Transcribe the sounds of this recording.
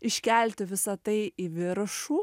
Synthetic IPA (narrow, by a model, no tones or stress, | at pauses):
ɪʃʲkʲɛˑlʲt̪ʲɪʋʲɪsɐt̪ɐɪiʋʲɪɾɐʃuː